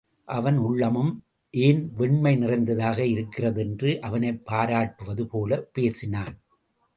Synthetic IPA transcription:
ʔɐʋɐnʊɭːɐmɯm | ʔeːnʋɛɳmɐɪnɪrɐɪnd̪ɐðaːɣɐɪɾɯkːɪrɐðɛndrɯʔɐʋɐnɐɪpːaːɾaːʈːɯʋɐðɯpoːlɐpeːsɪnaːn

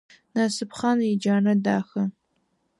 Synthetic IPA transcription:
naːsɨpχɑnid͡ʒaːnɐdaːxɐ

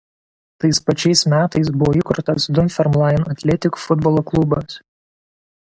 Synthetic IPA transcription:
t̪ɐɪspɐt͡ʃʲɛɪsmʲæːt̪ɐɪsbʊʋɔːikʊɾt̪ɐsd̪ʊnʲfʲɛɾmlˠɑˑɪnɐt̪ʲlʲɛt̪ʲɪkfʊd̪bɔlˠoːklˠʊbɐs

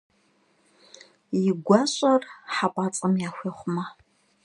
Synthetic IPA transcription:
jɪɡʷɑːɕʼɐrħapʷʼaːt͡sʼɐmjaːxʷeːχʷʊmɐ

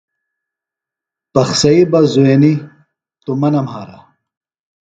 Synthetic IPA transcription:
pɐxsɐibɐzueni | t̪umɐnɐmhaːɾɐ

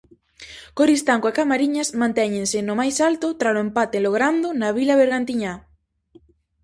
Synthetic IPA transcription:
koɾist̪aŋkoakamaɾiɲɐsmãnt̪ɛɲẽnsɪnomajsalt̪ʊt̪ɾaloempat̪eloɣ̞ɾand̪onaβilaβeɾɣant̪iɲa

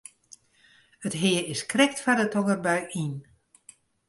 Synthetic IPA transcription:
ətɦɪəɪskrɛk̚tfadətʰɔŋərbœɥin

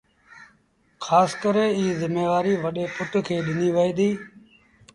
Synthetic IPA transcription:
kʰaːskəɾẽːiːzɪmeːʋaːɾiːʋəɗeːpʊʈkʰeːɗɪniːʋəiːd̪iː

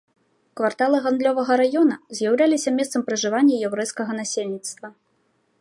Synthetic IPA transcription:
kvart̪alˠɨɣand̪lʲɔvɐɣɐɾajɔnɐzʲjawlʲalʲisʲɐmʲɛst̪sɐmpɾɨʐɨvanʲːɐjɛwɾɛjskɐɣɐnasʲelʲnʲit̪st̪vɐ

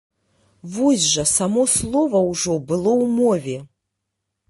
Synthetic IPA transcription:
vuzʲʒɐsamoslˠovɐuʐobɨlˠowmovʲe

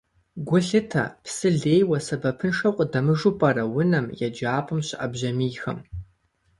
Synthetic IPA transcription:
ɡʷʊɮɨtʰɐ̰psɨɮeːjwɐsɐbɐpʰɨnʂɐwqʷʼdɐmɨʐupʼɐrɐwʊnɐmjɛd͡ʒaːpʼɨmɕɪʔɐbʑɐmiːxɐ̰m

